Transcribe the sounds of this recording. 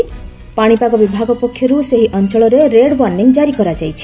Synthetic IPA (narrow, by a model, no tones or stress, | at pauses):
paɽ̃ipaɡɔbibʱaɡɔpɔkʰːjɔɾuseɦiʔɔnt͡ʃɔɭɔɾeɾeɽwanːiŋd͡ʒaɾikɔɾad͡ʒajt͡ʃʰi̥